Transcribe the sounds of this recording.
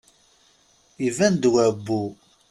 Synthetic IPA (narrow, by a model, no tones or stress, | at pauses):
ivænd̪wæbːu